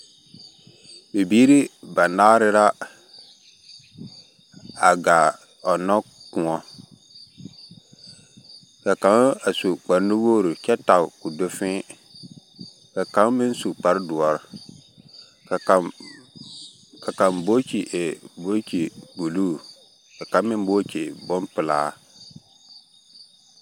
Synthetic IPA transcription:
be˨biː˦ɾi˦ba˨naː˦ɾɪ˦ɾa˦ | a˨ɡa˨ | ɔ˨nɔ˦ | kũ˨ɔ˦ | ka˨ka˨˦a˨su˨k͡pa˨ɾnu˦boː˦ɾu˨t͡ʃɛ˦ta˨ʊ˨ku˨do˦fɪ̃˦ | ka˨kã˨˦mɪ̃˦n̩˦su˨k͡pa˦ɾdʊ˨ɔ˨ɾ | ka˨kã˨mbo˦cʰi˨ʔe˨bo˦cʰi˨ɡu˨lu˦ | kɛ˨kã˨˦mɪ̃˦m˦bo˦cʰi˨bʊ̃˦mpɪ˨laː˦

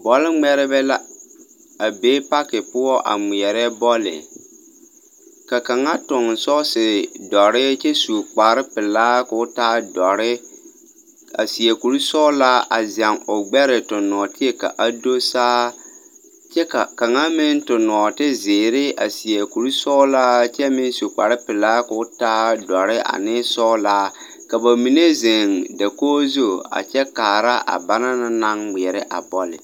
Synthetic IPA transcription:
bɔ˦lɪ˦ŋ͡mɛ˦ɾɪ˦bɛ˦la˦ | a˨beː˦pa˦kɪ˨pʊ˦ɔ˦ʔa̰˨mʊ˨ɛ˨ɾɛ˦bɔ˦lɪ̰˨ | ka˨ka˨ŋa˦tʊ˨ŋ˨sɔ˦sɪ˨dɔ˨ɾɪ˦t͡ʃɛ˦su˨k͡paː˨ɾɪ˦pɪ˨laː˦kʊ˨˦taː˦dɔ˨ɾɪ˦ | a̰˨si˨ɛ˨ku˨ɾu˦sɔ˦la˦ʔa˨zɛ˨ŋʊ˨ɡ͡bɛ˦ɾɪ˨tʊ˨nɔ˨tɪ˦ɛ˦ka̰˨ʔa˨do˦saː˦ | t͡ʃɛ˦ka˨ka˨ŋa˦mɪ˦n˦tʊ˨nɔ˨tɪ˦zɪː˨ɾɪ˦a˨si˨e˨ku˨ɾu˦sɔ˦laː˦t͡ʃɛ˦mɪ˦n˦su˨k͡pa˨ɾɪ˦pɪ˨laː˦ka˨˦ʊ˦taː˦dɔ˨ɾɪ˦ʔa̰˨nɪ˦sɔ˦laː˦ | ka˨ba˨mi˨ne˦ze˨ŋda˨koː˦zo˦a̰˨t͡ʃɛ˦kaː˨ɾa˦ʔa̰˨ba˦na˦na˦na˦ŋmɪ˨ɛ˨ɾɪ˦ʔa̰˨bɔ˦lɪ̰˨

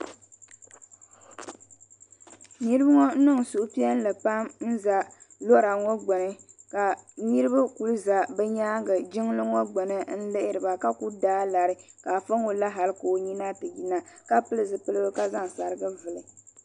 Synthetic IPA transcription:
ni˦ɾɨ˦bɨ˦ŋɔ˦n̩˦nɨ˦ŋ˨su˨ʔʊ˦pi˦ɛ˦n˦lɨ˨pa˦mn̩˦za˨lo˦ɾa˨ŋɔ˦ɡ͡bɛ˨nɨ˦ka˨ɲi˦ɾɨ˦bɨ˦ku˨lza˨bɛ˦ɲaː˦ɡɨ˨d͡ʒɪ˦ŋ˦lɨ˦ŋɔ˦ɡ͡bɛ˨nɨ˦n̩˦lɨ˦ʔɪ˦ɾɨ˨ba˨ka˦ku˦daː˦la˨ɾɨ˦ka˨fa˦ŋo˨˦la˦ɦa˨lɨ˦koː˨˦ɲi˦na˦tɨ˨ji˦na˦ka˦pɨ˦lɨ˦zɨ˨pɨ˦lɨ˦bɨ˦ka˦za˦ŋ˨sa˨ɾɨ˦ɡɨ˦vɨ˨lɨ˨

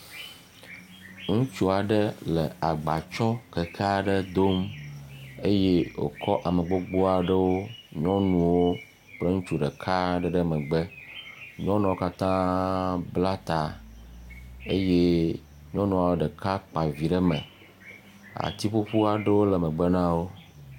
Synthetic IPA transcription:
ŋũ˦t͡ʃu˦a˨ɖə˦lə˨a˨ɡ͡ba˨t͡ʃɔ˦kə˨kʰa˦ɖə˦d̪o˦m | e˦je˦wo̰˨kʰɔ˦ʔa˨mə˨ɡ͡bo˦ɡ͡bo˦a˨ɖə˦wo˦ɲɔ̃˦nũ˨wo˦ | k͡plə˦ŋũ˦t͡ʃu˨ɖə˨kʰa˦ɖə˦ɖə˦mə̃˨ɡ͡bə˦ɲɔ̃˦nɔ̃˨wo˦ka˦t̪ã˦bla˦t̪a˨ | e˦je˦ | ɲɔ̃˦nũ˨a˨wo˦ɖə˨ka˦k͡pa˨vi˨ɖə˦mə̃˨ | a̰˨t̪i˦ɸo˦ɸu˦a˨ɖə˦wo˦lə˨mə̃˨ɡ͡bə˦nã˦wo˦

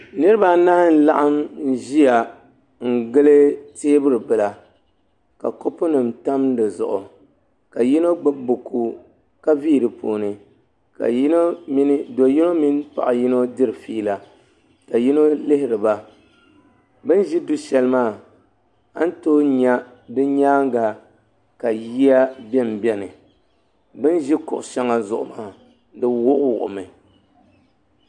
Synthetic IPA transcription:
nɨ˦ɾɨ˦ba˦na˦hɪ˦n˦la˦ʔa˦mn˦ʒi˦ja˨ | ŋ̩˦˨ɡɨ˦lɨ˦teː˦bɨ˦ɾɨ˨bɨ˨la˨ | ka̰˨ko˦pʊ˦nɨ˨mta˦mdɨ˨zʊ̰˨ʔʊ˨ | ka˨ji˦no˦ɡ͡bɨ˦bʊ˨kʰu˦ | ka˦viː˦˨dɨ˨po̰ː˨nɨ˨ | ka̰˨i˦no˦mi˦n˦do˨ji˦no˦mi˦npa̰˨ʔa˨ji˦no˦dɨ˦ɾɨ˨fiː˦la˨ | ka˨ji˦no˦lɪ˦hɪ˨ɾɨ˨ba˦ | bɨ˦nʒi˦du˦ʃɛ˦lmaː˦˨ | a˦n̩˦toː˦ɲa˦ | dɨ˦ɲaː˦ŋ˦ɡa˨ | ka˨ji˦a˦bɛ˦m˨bɛ˦nɨ˨ | bɨ˦nʒɪ˦kʊ̰˨ʔʊ˨ʃa˦ŋa˨zʊ̰˨ʔʊ̰˨maː˦˨ | dɨ˦wʊ˦ʔwʊ˨ʔʊ̰˨mɨ˨

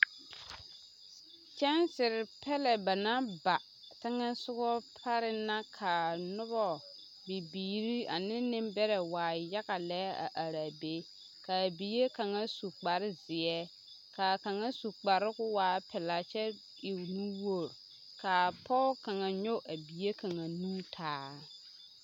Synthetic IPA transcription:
t͡ʃɛ˦nsɪ˨ɾɪ˨pɛ˦lɛ˨ba˨na˦ba˨ | tɪ˦ŋɛ˦sʊ˦ɣɔ˦pʰa˦ɾɪ˦na˦kʰa˨nʊ˦bɔ˦ | bi˨biː˨ɾi˦a˨nɪ˦nɪ̃˦mbɛ˦ɾɛ˨waː˨ja˦ɣa˨lɛ˦a̰˨ʔa˨ɾa˨be˦ | ka˨bi˨je˦ka˨ŋa˦su˨k͡pa˨ɾɪ˦zɪ˨ɛ˦ | ka˨ka˨ŋa˦su˨k͡pa˨ɾɪ˦ɡʊ˦waː˨˦pʰɛ˨la˨t͡ʃɛ˦ | i˨wnu˦wo˦˨ɾ | ka˨pʰɔ˦ka˨ŋa˨ɲo˦ʔa˨bi˨je˦ka˨ŋa˨nũ˦tʰaː˨˦

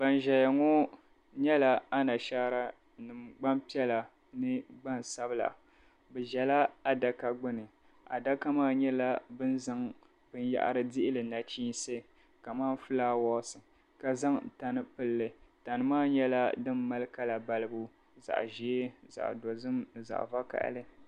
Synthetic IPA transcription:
ba˨nʒɛ˨ja˨ŋɔ˦ | ɲɛ˦la˦a˦na˨ʃa˦ɾa˦ | nɨ˨mɡ͡ba˦mpi˦ɛ˦la˨ | nɨ˦ɡ͡ba˦nsa˦bɨ˦la̰˨ | bɛ˨ʒɛ˨la˦a˨da˨ka˦ɡ͡bʊ˦nɨ˨ | a̰˨da˦ka˦maː˦ɲɛ˦la˦bɨ˦nza˦ŋ | b̥ɨ˦nja̰˦˨ʔa̰˦ɾɨ˦dɪ˦ʔɪ˦lɨ˨na˨t͡ʃiː˦nsɨ˦ | ka˨maː˦n˦fɨ˦laː˦wɔ˦sɨ˨ | ka˨za˦ŋta˨nɨ˦pɨ˦lːɨ˨ta˨nɨ˦maː˦ɲɛ˦la˦dɨ˦mːa˦lɨ˦ka˦la˨ba˨lɨ˦bu˦ | za̰˨ʔʒi˨˦e˦za̰˨ʔdo˨zɨ˦mza̰˨ʔva˦ka̰˨ʔlɨ˦

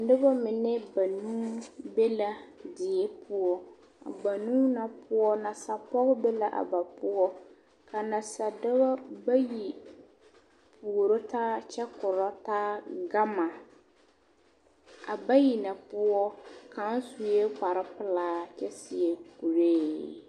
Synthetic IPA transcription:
dɪ˦ba˦mɪ˨nɪ˦ba˨nuː˦be˦la˦dɪ˨ɛ˦pʰʊ˦ɔ˦ | a̰˨ba˨nu˦na˨pʰʊ˦ɔ˦na˨sa˨pɔ˦ɣɪ˦be˦la˦ʔa̰˨ba˨pʊ˦ɔ˦ | ka˨na˨sa˨dɪ˦ba˦ba˦ji˨ | pʰu˨ɾo˦taː˦t͡ʃɛ˦kʊ˨ɾɔ˦taː˦ɡa˦ma˨ | a˨ba˦ji˨na˨pʊ˦ɔ˦ka˦nsu˨je˦k͡pa˨ɾɪ˦pɪ˦˨laː˦t͡ʃɛ˦sɪ˦ɛ˨ku˨ɾeː˦

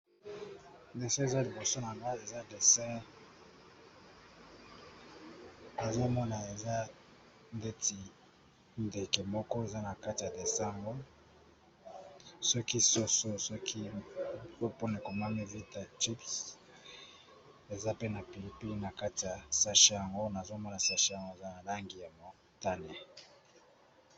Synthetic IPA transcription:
de˨sɛ̃˦e˨za˦li˨bo˨so˦na˨ŋa˦e˨za˦de˨sɛ̃˦ | e˨zo˦mɔ˦na˨e˨za˦ | nde˦ti˨ | nde˨ke˨mɔ˦kɔ˦e˨za˦na˨ka˦ti˨ja˨de˨sa˦ŋɡo˦ | sɔ˦ki˦so˦so˦sɔ˦kʰi˦ | zo˦po˦ne˨ko˨ma˦mi˦vi˦ta˨t͡ʃi˦ps | e˨za˦pe˦na˨pi˨li˨pi˦li˦na˨ka˦ti˨ja˨sa˦ʃe˦ja˨ŋɡo˦na˨zo˦mɔ˦na˨sa˦ʃe˦ja˨ŋɡo˦e˨za˦na˨la˦ŋɡi˨ja˨mo˨ | ta˦ne˨

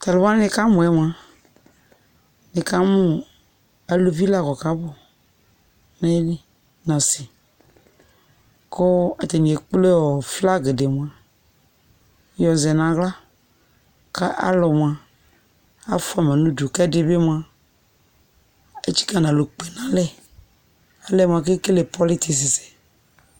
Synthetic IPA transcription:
t̪a˨lʊ˨˦a˦n˦nɪ̃˨ka˦mʊ̃˨ɛ˦m˨a˨ | nɪ˨ka˦mũ˦ | a˨lo˨vi˦la˨kɔ˨ka˨˦bʊ˦ | nã˦li˦ | nã˨sɪ˨ | ko˦a˨t̪e˨n˨e˨k͡ple˦ɔ˨fla˦ɡe˨de˨m̃˨ã˨ | jɔ˨zɛ˨nã˨ɣla˦ | ka˦ʔa̰˦lɔ˨m˨a˨ | a̰˦fʊ˦a˨mɛ̃˨nũ˦du˨kɛ˦de˦be˦m̃˦˨a˨ | e˦t͡ʃi̥˦ka˦˨nã˨lo˨k͡pɛ˨nã˨lɛ˦ | a˨lɛ˦˨m̃˨a˨ke˦ke˦le˨pɔ˦lɪ˦t̪e˨s̬ɪ˨sɛ̥˨

